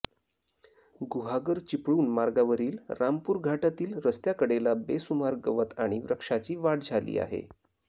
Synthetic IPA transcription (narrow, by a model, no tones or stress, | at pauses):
ɡuɦaɡəɾt͡ɕipɽuːnmaɾɡaʋəɾiːlɾampuːɾɡʱaʈat̪iːlɾəst̪jakəɽelabesumaɾɡəʋət̪aɽ̃iʋɾəkʂat͡ɕiːʋaɽ̚d͡zʱalḭːa̰ɦḛ